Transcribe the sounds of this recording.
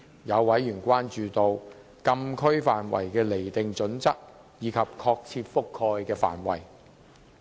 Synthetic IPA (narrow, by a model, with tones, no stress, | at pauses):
jɐ˨˧wwɐ˨˥jːyː˨˩nkʷwaː˥nt͡ʃyː˨˧t̪o˨w | kɐ˧mkʰɵ˥ɥfaː˨˩nwɐ̰˨˩jkɛː˧le˨˩jt̪ɪ˨ŋt͡ʃɵ˨˥nt͡sɐ˥k̚ | jiː˨˧kʰɐ˨p̚kʰɔː˧k̚t͡sʰiː˧t̚fʊ˥kʰːɔː˧jkɛː˧fa̰ː˨˩nwɐ̰˨˩j